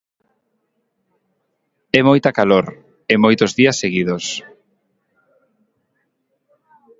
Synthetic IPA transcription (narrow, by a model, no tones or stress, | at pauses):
ɛmojt̪akaloɾ | emojt̪ozðiɐsːeɣiðos